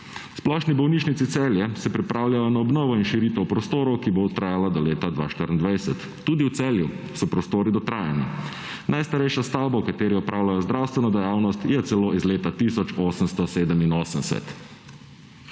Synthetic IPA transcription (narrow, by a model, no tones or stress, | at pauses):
splɔːʃnibɔwniːt͡ʃnit̪sit̪sɛːljɛsɛpɾipɾʔaːwljajɔnaɔbnɔːʋɔinʃiɾiːt̪ɛwpɾɔst̪oːɾɔwkibot̪ɾaːjalad̪ɔleːt̪ad̪ʋa̰ːʃt̪əɾənd̪ʋajsɛt̪ːuːd̪iwt̪sɛːlju | sɔpɾɔst̪oːɾid̪ɔt̪ɾaːjani | nʔajst̪aɾɛjʃast̪awbawkat̪eːɾiɔpɾʔaːwlʲajɔzd̪ɾaːwst̪ʋɛnɔd̪ɛjaːwnɔst̪jɛt̪sɛloːizleːt̪at̪isɔt͡ʃoːsəmst̪ɔseːd̪əminoːsənsɛ̰t̪